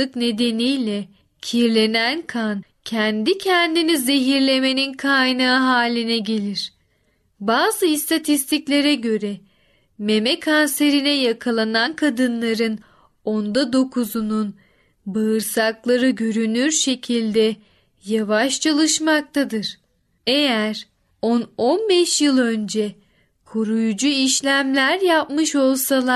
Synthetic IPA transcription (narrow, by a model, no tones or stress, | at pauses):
ɯkne̞d̪e̞nijlʲɛ | cʰiɾlʲe̞nænkʰancʰænd̪icʰɛnd̪inize̞ɦiɾlʲe̞me̞ninkʰajnaɦaːlʲinɛɟe̞lʲiɾ̥ | baːzɯist̪ʰat̪ʰist̪ʰiclʲe̞ɾɛɟø̞ɾɛ | me̞mɛkʰanse̞ɾinɛjakʰalˠanankʰad̪ɯnlˠaɾɯn | ond̪ad̪o̞kʰuzunun | bɯɯɾsaklˠaɾɯɟøɾynyɾʃe̞cʰilʲd̪ɛ | javaʃt͡ʃʰalˠɯʃmak̚t̪ʰad̪ɯɾ̥ | e̞jæɾ | ono̞nbɛʃjɯlˠø̞nd͡ʒɛ | kʰuɾujud͡ʒuiʃlʲæmlʲæɾjapmɯʃo̞lˠsalˠa